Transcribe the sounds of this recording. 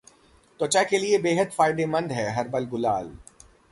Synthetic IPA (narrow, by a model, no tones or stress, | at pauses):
t̪ot͡ʃakeliebeːɦəd̪faːɪɖemɐ̃nd̪ɦɛːɦɐɾbəlɡʊlaːl